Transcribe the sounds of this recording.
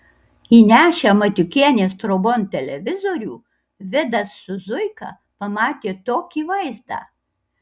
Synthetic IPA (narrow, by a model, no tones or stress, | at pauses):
inʲæːʃʲemɐt̪ʲʊkʲiɛnʲeːst̪ɾobont̪ʲɛlʲɛʋʲɪzoːɾʲuː | ʋʲɪd̪ɐsːʊzʊɪkɑ̰ | pɐmɑːt̪ʲeːt̪oːkʲiːʋɐɪzd̪ɑ̰ː